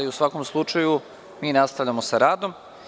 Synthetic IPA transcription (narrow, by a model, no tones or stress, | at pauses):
iusʋako̞mslˠut͡ʃaju | miːnast̪aʋʎʲamosaɾaːd̪o̞m